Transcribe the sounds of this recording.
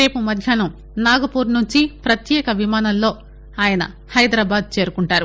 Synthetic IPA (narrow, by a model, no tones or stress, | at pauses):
e̞ːpumɐd̪ʱjaːnu | naːɡɐpuːɾnuɲt͡ʃipɾɐt̪jɛːkɐʋimaːnɐlːo̞ː | aːjɐnɐ̰ | hɐjd̪ɾaːbaːd̪̚t͡ʃe̞ːɾukuɳʈaːɾu